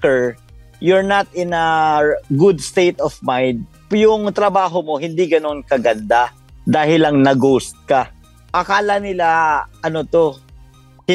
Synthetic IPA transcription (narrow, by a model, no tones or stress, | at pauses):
kɛɹ | jʊɹnɐt̪̚ɪnɐɡʊd̪st̪ejt̪ɔfmajnd̪̚ | pjʊŋt̪ɾɐbaːɦo̞mo̞hɪnd̪iɡɐno̞nkɐɡɐnd̪a | d̪aːhɪlɐŋnɐɡowst̪̚kɐ | ʔɐkaːlɐnɪlaʔɐnot̪o̞